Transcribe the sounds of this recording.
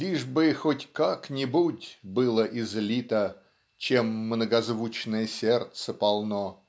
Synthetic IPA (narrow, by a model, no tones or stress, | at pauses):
lʲiʐbɨxotʲkaknʲɪbutʲbɨlˠəʔɪzlʲit̪ə | t͡ɕemːnəɡɐzvut͡ɕnəjəsʲert̪səpɐlˠno